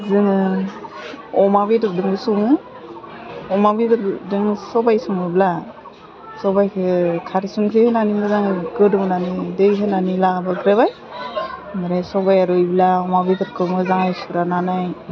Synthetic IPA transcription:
zɯŋɯ | ɔmabedɯɾ̚dɯŋbɯsuŋɯ | ɔmabidɯɾdɯŋsɔbajsɔŋɯbila | sɔbajkʰekʰaɾisunkʰehenanimɯzaŋɯɡɯdɯmɯnanidejkʰenanilabaɡɾeβaj | maɾasɔbajaɾujbilaɔmabitɯɾ̚kʰɯmɯzaŋajsuɾananaj

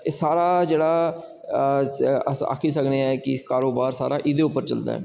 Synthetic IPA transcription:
eːsaːɾaːd͡ʒeːɽaː | əa̰ːkʰiːsəkneɛːkɪkaːɾoːbaːɾsa̰ːɾaːʔɪd̪eːʊpːəɾt͡ʃə̰ld̪a̰ːɦɛ̰ː

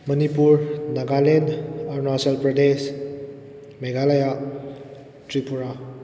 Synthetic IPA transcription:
mɐnipuɾnaɡalenaɾnaselpɾɔdes | meɡalaja | tɾipuɾa

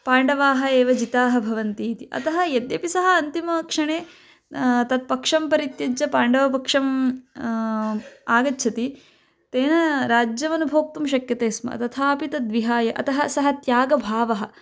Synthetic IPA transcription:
paːɳɖɐʋaːɦɐeːʋɐd͡ʒit̪aːɦɐbʱɐʋɐnt̪iːt̪iʔɐ̰t̪ɐɦɐjed̪jɐpisɐɦɐɐnt̪imɐkʂɐɳeː | t̪ɐt̪̚pɐkʂɐmpɐɾit̪jɐd͡ʒɐpaːɳɖɐʋɐp̬ɐkʂɐm | aːɡɐtːʃʰɐt̪i | t̪eːnɐɾaːd͡ʒjɐmɐnubʱoːk̚t̪umʃɐkjɐt̪eːsmɐ̰t̪ɐt̪ʰaːɐpit̪ɐd̪ʋiɦaːjɐʔɐ̰t̪ɐɦɐsɐɦɐt̪jaːɡɐbʱaːʋɐɦɐ̆

